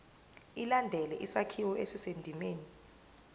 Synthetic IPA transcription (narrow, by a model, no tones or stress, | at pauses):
ilandʱɛlɛʔisakʰiwɔʔesisendʱimeːni